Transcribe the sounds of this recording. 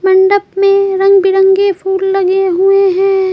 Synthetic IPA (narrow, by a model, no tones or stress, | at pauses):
mɐɳɖəpmẽɾɐ̃ŋɡbɪɾə̃ŋɡepʰuːlːɐɡeɦueɦɛ̃ː